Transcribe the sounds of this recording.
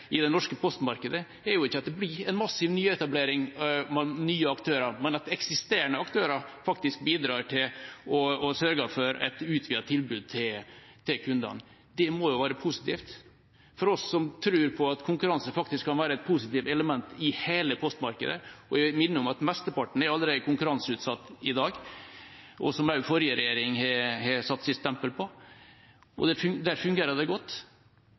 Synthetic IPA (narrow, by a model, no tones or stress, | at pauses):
ɪd̪ɛnɔʂkəpʰɔst̪mɑɾkəd̪ə | ɛɾjʊɪçːəɑt̪̚d̪ɛblɪɾɛnmɑsːɪʋnyːɛt̪ɑbleːɾɪŋmɛnyːəɑkt̪ʰøːɾɑɾmɛnɑt̪ɛksɪst̪eːɾəɳəɑkt̪ʰøːɾɑɾfɑkt̪ɪsk̚biːd̪ɾɑːɾʈʰɪlɔɔsœɾɡɑfɔɾɛ̰t̪ʉːt̪ʰʋiːɑt̪ʰːɪlbʉːd̪̚t̪ʰɪl | t̪ʰɪlkʰʉnd̪ɑ̰n | d̪ɛmɔjʊʋæːɾəpʰusɪ̥t̪ʰiːft̪ | fɔɾɔsːɔmt̪ʰɾʉːɾpʰɔɑt̪kʰʊŋkʉɾɑnsəfɑk̚t̪ɪskʰːɑnʋæːɾəɛt̪̚pʰuːsɪt̪iːʋɛləmɛnt̪ɪheːləpʰɔst̪mɑɾkə̰d̪ə̰ɔæmɪnːəʊmɑt̪mɛst̪əpɑʈɳ̩æɾɑld̪əɾekʊŋkʉɾɑnsəʉːt̪sɑt̪ːɪd̪ɑːɡ | ʔɔ̰sɔmæfɔɾjəɾɛjeːɾɪŋhɛhɛsɑt̪ːsɪst̪ːɛmpəlpʰɔ | ɔ̰d̪ɛd̪æːɾfʉŋɡeːɾəd̪ɛɡɔt̪ː